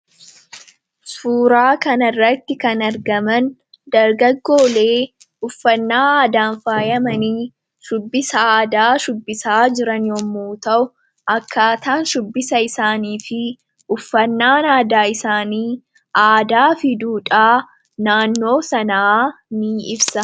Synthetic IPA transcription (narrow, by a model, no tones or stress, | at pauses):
suːɾaːkɐnɪrːɐt̪ːɪkɐnɐɾɡɐmɐn | d̪ɐɾɡɐɡːo̞ːle̞ː | ʊfːɐnːaːaːd̪aːnfaːjɐmɐniː | ʃʊbːɪsɐaːd̪aːʃʊbːɪsaːd͡ʒɪɾɐnjɔmːuːt̪ɐʔʊ | ʔɐkːaːt̪aːnʃʊbːɪsɐɪsaːniːfɪ | ʊfːɐnːaːnaːd̪aːɪsaːniː | aːd̪aːfɪd̪uːᶑʼaː | naːnːo̞ːsɐnɐaːniːɪbsɐ